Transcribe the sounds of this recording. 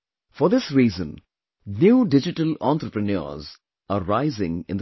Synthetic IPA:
fɔɾd̪ɪsɾiːzə̃n | njuːɖɪd͡ʒɪʈəlɔ̃nt̪ɾəpɾənə̰ːɾz | aɾaɪzɪ̰̃ŋɪ̃nd̪

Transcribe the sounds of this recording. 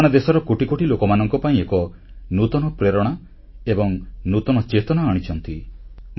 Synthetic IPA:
ɽ̃ad̪esɔɾɔkoʈikoʈilokɔmanɔŋkɔpaĩekɔ | nut̪ɔnɔpɾeɾɔɽ̃a | ebɔŋnut̪ɔnɔt͡ʃet̪ɔnaːɽ̃it͡ʃʰɔnt̪im

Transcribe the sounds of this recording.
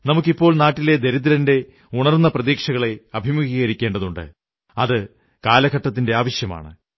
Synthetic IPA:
nɐmuk̬ːipːo̞ːɭnaːʈːile̞d̪e̞ɾiðiɾɐnde̞ | uɳɐrnːɐprɐðiːkʂɐɣɐɭe̞ɐbʱimuɡiːɣɐɾikʲːe̞ːɳɖɐðuɳɖɨ̰ | ɐðɨ | kaːlɐkɐʈːɐt̪̬ːinde̞aːʋɐɕjɐma̰ːɳɨ̰

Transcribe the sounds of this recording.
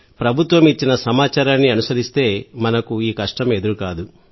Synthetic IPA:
pɾɐbʱut̪ʋɐmit͡ʃːinɐsɐmaːt͡ʃaːɾaːnːiɐnusɐɾist̪e̞ːmɐnɐkuiːkɐʂʈɐme̞d̪uɾukaːd̪u

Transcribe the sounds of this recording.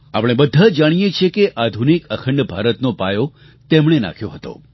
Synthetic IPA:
a̰pɽ̃ebəd̪ʱad͡ʒaɽ̃ijet͡ʃʰekeʔad̪ʱunikəkʰəɳɖbʱaɾət̪nopajo | t̪emɽena̰kʰjõɦət̪o̰

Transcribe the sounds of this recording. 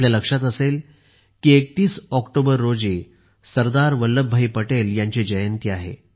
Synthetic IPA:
ljaləkʂat̪əsel | kiek̚t̪iːsɔkʈobəɾːod͡ziː | səɾd̪aɾʋəlːəbʱːaiːpəʈeljaɲt͡ɕed͡ʑəjənt̪iaɦḛ

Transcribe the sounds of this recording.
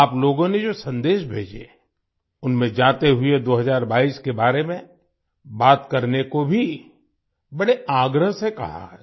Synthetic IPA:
aːploːɡõned͡ʒoːsɐ̃nd̪eːʃbʱeːd͡ʒḛ | ʊnmẽd͡ʒãːt̪eɦʊed̪oːɦɐzaːɾbaːiskebaːɾemẽ | baːt̪kɐɾnekobʱi | bɐɽeaːɡɾəɦsekɐ̰ɦa̰ɦɛ

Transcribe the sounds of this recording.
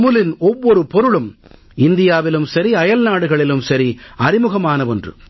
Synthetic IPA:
mɯlɪnɔʋːɔɾɯpɔɾɯɭɯm | ɪnd̪ɪjaːʋɪlɯmsɐɾiɐjɐlnaːɽɯɣɐɭɪlɯmsɐɾiɐɾɪmɯɣɐmaːnɐʋɔndrɯ̰

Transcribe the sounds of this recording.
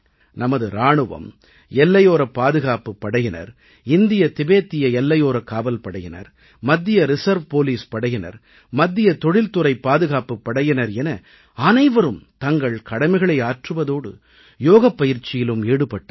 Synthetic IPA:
nɐmɐðɯɾaːɳɯʋɐ̰m | ɛlːɐjoːɾɐpːaːðɯɣaːpɯpːɐɽɐjɪnɐ̰ɾ | ɪnd̪ɪjɐt̪ɪbeːt̪ːɪjɐɛlːɐjoːɾɐkːaːbɐlpɐɽɐjɪnɐ̰ɾ | mɐd̪ːɪjɐɾɪsɐɾʋpoːliːspɐɽɐjɪnɐ̰ɾ | mɐd̪ːɪjɐt̪ɔɽɪlt̪ɯɾɐɪpːaːðɯɣaːpɯpːɐɽɐjɪnɐɾɛnɐ | ɐnɐɪʋɐɾɯmt̪ɐŋɡɐɭkɐɽɐmɪɣɐɭɐɪaːʈrɯʋɐðoːɽɯ̰ | joːɣɐpːɐjɪɾt͡ʃːɪjɪlɯmeːɽɯpːɐʈːɐ

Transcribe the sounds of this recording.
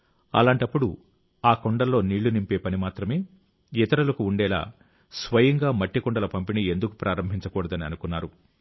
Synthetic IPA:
ɐ̰laːɳʈɐpːuɽu | aːkoɳɖɐlːo̞ːniːɭːunimpe̞ːpɐnimaːt̪ɾɐme̞ː | it̪ɐɾɐlɐkuuɳɖɛːla̰ː | sʋɐjɐŋɡaːmɐʈːikɔɳɖɐlɐpɐmpinie̞nd̪ukupɾaːɾɐmbʱiɲt͡ʃɐkuːɽɐd̪ɐniɐnukunːaːɾu

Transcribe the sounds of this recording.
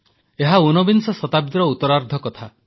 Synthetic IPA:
eɦaunɔbinsɔsɔt̪abid̪ɾɔut̪ɔɾaɾd̪ʱɔkɔt̪ʰa

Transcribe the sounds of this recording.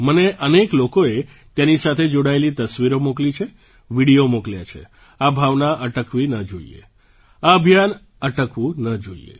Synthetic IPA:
məneʔəneklokoe | t̪janisat̪ʰed͡ʒoɽaelit̪əsʋiɾomoklit͡ʃʰe | ʋiɽijomokljat͡ʃʰḛ | abʱaʋnaʔəʈəkʋinəd͡ʒoiḛ | aəbʱjan | əʈəkʋũnəd͡ʒoḭḛ

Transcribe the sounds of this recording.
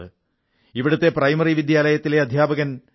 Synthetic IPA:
ɨ | iʋiɽɐt̪ːe̞prɐjmɐriʋid̪ʱjaːlɐjɐt̪ːile̞ɐd̪ʱjaːbɐɣɐn

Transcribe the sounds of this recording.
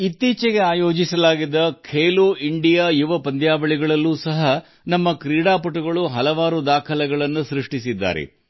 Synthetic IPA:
it̪ːiːt͡ʃɛɡe̞aːjo̞ːd͡ʒisɐlaːɡid̪ːɐkʰeːluːiɳɖijaːjuʋɐpɐnd̪jaːʋɐɭiɡɐɭɐlːuːsɐɦɐ | nɐmːɐkɾiːɽaːpɐʈuɡɐɭuɦɐlɐʋaːɾud̪aːkʰɐlɛɡɐɭɐnːusɾiʂʈisid̪ːa̰ːɾḛ

